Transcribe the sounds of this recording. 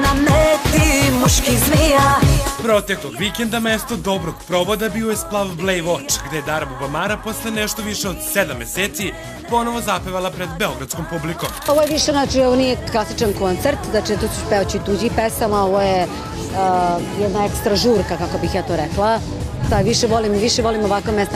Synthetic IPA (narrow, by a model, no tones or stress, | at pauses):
namet̪imuʃkizmijapɾot̪ekloɡʋikend̪amest̪od̪obɾoɡpɾoʋod̪abiojesplˠaʋblejʋot͡ʂɡd̪ejed̪aɾmubamaɾapo̞sleneʃt̪oʋiʂeod̪sed̪amːeseːt̪si | po̞noʋozapaʋalˠapɾed̪beoɡɾat̪sko̞mpublikomoʋojeʋiʃeznat͡ʃioʋonijeklˠasit͡ʃankont̪seɾt̪znat͡ʃit̪oːsu̥speot͡ɕit̪uːd͡ʑipesamaoʋoje | jɛd̪naekst̪ɾaʒuːɾkakako̞bixjaːt̪oːɾɛklˠa | saʋiʃeʋolimʋiʃeʋo̞limoʋakʋomest̪a